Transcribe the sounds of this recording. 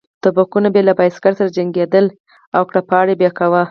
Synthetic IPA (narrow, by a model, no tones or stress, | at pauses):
t̪abakunabjelabajskaɾsaɾad͡ʒaŋɡed̪əl | awkɽapɑɽebjɑkawa